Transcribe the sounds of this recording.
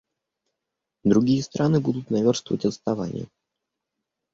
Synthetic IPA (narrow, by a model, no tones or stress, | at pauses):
d̪ɾʊɡʲijəst̪ɾʔanɨbud̪ʊt̪nɐvʲo̞rst̪vəvə̰tʲəst̪ɐvanʲɪ̰jə̰